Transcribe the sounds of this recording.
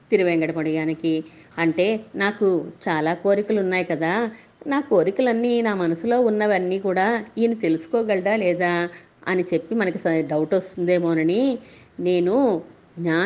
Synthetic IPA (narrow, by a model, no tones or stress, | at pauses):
t̪iɾiʋɛːŋɡɐɽɐpɐɽɐjaːniki | ɐɳʈe̞ːnaːkut͡ʃaːlaːkoːɾikulunːaːjikɐd̪aː | naːko̞ːɾikulɐnːiːnaːmɐnɐsulo̞ːunːɐʋɐnːiːkuːɽaːiːnit̪e̞lusu̥kɔːɡɛɭɐɖ̪aːlɛːd̪aː | ɐ̰nit͡ʃe̞pːimɐnɐkisɐɖɐwuʈost̪und̪e̞ːmoːnɐnine̞ːnu | ɡɲaː